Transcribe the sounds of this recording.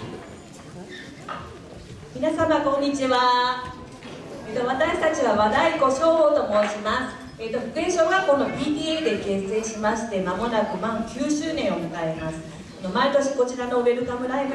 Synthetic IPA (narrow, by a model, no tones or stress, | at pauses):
mʲinasamakõ̞ɲ̟ːit͡ɕiβa | eːt̪o̞β̞at̪aɕi̥t̪at͡ɕiβaβad̪aiko̞ɕo̞ːot̪o̞mo̞ːɕimasɨ̥ | et̪ːoɸɯ̟kɯẽɰ̃ɕoːɡako̞nopʲiːt̪ʲiːed̪e̞ke̞se̞ɕimaɕi̥t̪e̞mamo̞nakɯ̟mamokʲɨːɕɨːnẽ̞omɯ̟kaemasɨ̥ | ano̞maet̪o̞ɕi̥ko̞t͡ɕiɾano̞ːbe̞ɾɯ̟kamɯ̟ɾaibɯ̟